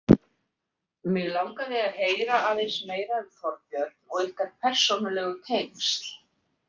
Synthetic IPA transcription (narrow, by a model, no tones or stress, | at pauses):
mɪɣlawŋkaðɪaðheːjɾaaðejsmeːjɾaɪθɔɾpjœɾt̪̚nɔɣɪhkaɾpʰɛr̥sonʏlɛɣʏt̪ʰejmst̪l̥